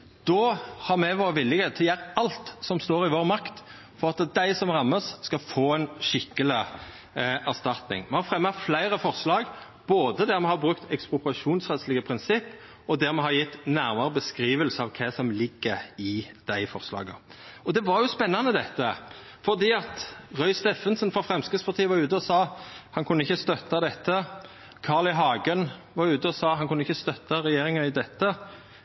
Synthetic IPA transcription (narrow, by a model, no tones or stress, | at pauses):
d̪̥ɔːhɑɾmɛʋoːɾʁəʋɪlːɪɡəət̪ʰjæːɾəɑlt̪sɔmst̪oːɾɪʋoːɾmɑkt̪ | fɔʁɑt̪d̪æɪsɔmʁɑmːəsːkɑfoːɛnʃɪkːəlɪ | æʁst̪ɑt̪nɪ̰ŋmɛhɑfɾɛmːəflæɪɾəfɔʁslɑːɡ | b̥oːd̪əd̪æɾmɛhɑɾbɾʉkt̪ʰɛkspʊpɾɑʂuːnsʁɛt̪slɪɡəpʰɾɪnsɪpː | ɔd̪æɾmɛɦɑɾjɪt̪ːnæɾmɑɾəbəskɾiːʋəlsəɑʋkʰɛsɔmlɪɡːəɾɪd̪̥æɪfɔʁslɑ̰ːɡəɔd̪ɛʋɑɾjʊspɛnːɑnəd̪ɛt̪ːə | fɔʁd̪iːɑt̪ʁœʏst̪eːfənsənfɔfɾɛmskəspʰɑʁt̪ʰiːəʋɑʉːt̪̬əɔsɑːhɑnkʰʉnːəɪçəst̪œt̪ːɑd̪ɛt̪ːə | kʰɑːʁlɪɦɑːɡənʋɑʁʉːt̪əɔsɑːhɑnkʰʉnːəɪçːəst̪œt̪ːɑɾɛjeːɾɪŋɑɪd̪ɛt̪ːə